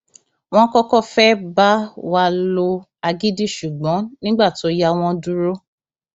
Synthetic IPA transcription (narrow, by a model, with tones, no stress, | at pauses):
w̃ɔ̃˦kɔ˦kɔ˦fɛ˦ba˦wa˧lo˧ | a˧ɡi˦di˦˨ʃu˨ɡ͡bɔ̃˨˦nĩ˦ɡ͡ba˦˨ti˨o˧˦ja˧w̃ɔ̃˧du˦ɾo˦